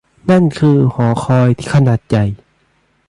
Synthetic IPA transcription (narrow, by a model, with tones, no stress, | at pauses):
na˥˨nkʰɯː˧hɔː˩˦xʰɔː˧jt̪ʰi̥ː˧˩kʰa˧naː˨˩t̪̚t͡ɕa˨˩j